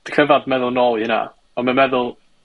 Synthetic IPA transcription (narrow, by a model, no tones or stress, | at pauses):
d̥kʰəvadmɛðʊlˠnɔlˠjɪna̰ | ɔnmamɛðʊlˠ